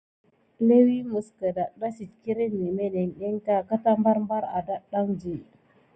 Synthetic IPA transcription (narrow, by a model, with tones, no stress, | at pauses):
le˦wi˦mu˨skə˨da˨ɗa˦si˨t̚ki˦ɾe˦nːi˨me˦ne˨nɗe˦nta˦ka˦ta˦mba˦ɾmba˦ɾa˨da˦ɗa˦ŋd͡ʒe˨